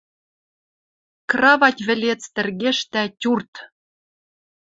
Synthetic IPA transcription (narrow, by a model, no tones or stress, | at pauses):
krɑβɑtʲβɘ̆lʲet͡st̪ɘ̆rɣeʃt̪ætʲurt̪